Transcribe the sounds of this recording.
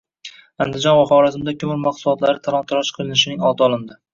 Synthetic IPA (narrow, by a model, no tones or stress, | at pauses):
and̪ɪd͡ʒɒnwaχɒɾazɪmd̪akʰʲʊmɪɾmaqsʊlˠɒt̪laɾɪt̪ʰaɾɒnt̪ʰʊɾɒʃqʰɨlˠɪnɪʃɪnɪŋɒt̪ɒlˠɪnd̪ɪ